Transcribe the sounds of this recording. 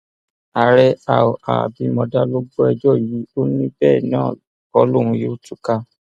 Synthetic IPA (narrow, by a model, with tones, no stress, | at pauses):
a˨ɾɛ˦a̰˨ɔ˨a̰˨bi˨˦mɔ̃˧da˦lo˦ɡ͡bo˦ɛ˧d͡ʒɔ˦˨ji˨˦o˦nĩ˦bɛː˦˨nã̰ː˦˨ | ɔ˦lo˦˨ɾ̃ũ˧jo˦tu˦˨ka˦